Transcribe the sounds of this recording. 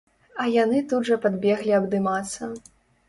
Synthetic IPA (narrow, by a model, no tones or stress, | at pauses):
ɐjanɨt̪udʐɐpad̪bʲɛɣlʲiɐbd̪ɨmat̪sːɐ